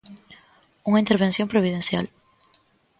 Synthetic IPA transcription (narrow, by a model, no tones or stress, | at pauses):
uŋɐint̪eɾβẽnsjõmpɾoβ̞iðẽnsja̰l